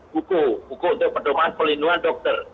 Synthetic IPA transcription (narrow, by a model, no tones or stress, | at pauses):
bukobukount̪ʊk̚pərdomaanpəlinuanɖɔk̚t̪ər